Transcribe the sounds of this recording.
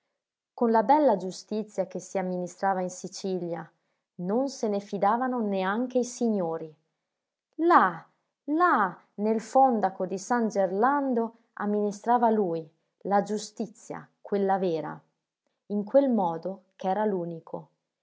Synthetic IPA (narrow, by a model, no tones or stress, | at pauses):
konlabɛlːad͡ʒust̪it̪sːjakesiamːinist̪ɾaːvainsit͡ʃilja | nonsenefid̪aːvanoneaŋk̟eisiɲːoːɾi | la | la | nelfɔnd̪akod̪isand͡ʒerland̪o | a̰mːinist̪ɾaːvaluːj | lad͡ʒust̪it̪sːja̰kwelːavɛːɾa̰ | iŋkwelmɔːd̪okɛːɾaluːnikʰo